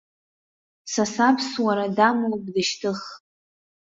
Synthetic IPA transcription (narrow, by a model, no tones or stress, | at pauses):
sasapʰswaɾadamowkʼdɨʃtʰɨχ